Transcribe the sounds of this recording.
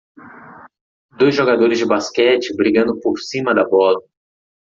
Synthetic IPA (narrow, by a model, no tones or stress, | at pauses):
d̪ojzʒoɡad̪oɾɪzd͡ʒɪbaskɛt͡ʃɪbɾiɡɐ̃nd̪ʊpoɾsĩmɐd̪ɐbɔlɐ